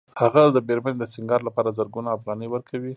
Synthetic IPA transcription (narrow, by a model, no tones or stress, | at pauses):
haɣad̪əbeɾmaned̪əsɪŋɡɑɾlapɑɾazəɾɡunaːfɣɑnəjwəɾkʰawi